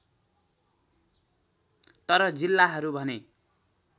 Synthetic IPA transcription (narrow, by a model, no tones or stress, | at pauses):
t̪ʌɾʌd͡zilːaɦʌɾubʱʌne